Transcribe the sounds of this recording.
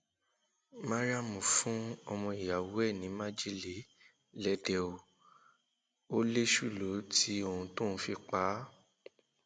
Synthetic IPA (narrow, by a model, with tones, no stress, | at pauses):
mã˦ɾa˦mũ˨fũ˨˦ɔ˧mɔ̃˧i˨ja˨wɛ˦˨nĩ˨˦mã˦d͡ʒi˦li˨ | lɛ˧dɛ˧o˨ | o˦le˦ʃu˦˨lo˨˦tʰi˨˦o˧˨hũ˧tõ˦˨ñ̩˧˦fi˧k͡pa˨˦